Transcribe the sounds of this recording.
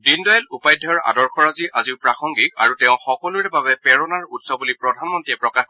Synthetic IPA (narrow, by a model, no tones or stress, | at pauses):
dindɔjalupajdʱːaɹa̰dɔɹxʰɔɹaziʔazipɹaxʰɔŋɡika̰ɹutɛʊ̃xɔkɔluɹɛbabɛpɛɹɔnaɹutsɔbulipɹɔdʱanmɔntɹiɛpɹɔkax